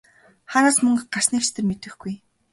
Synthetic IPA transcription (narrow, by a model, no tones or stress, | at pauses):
χaːnaːsmɵŋɢar̥sniːkst̪ʰɘ̆rmet̪ɘ̆xɡ̥uj